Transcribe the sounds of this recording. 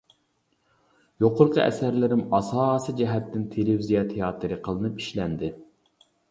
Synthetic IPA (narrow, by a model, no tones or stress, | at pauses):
joqʰʊɾqʰəɛ̰sæɾlɪɾɪmɑsɑːsid͡ʒɛɦɛt̪ːɪnt̪ʰelɪvizijɑt̪ʰeɑːt̪ɨɾɨqʰəlˠɨnɨpiʃlɛnd̪ɪ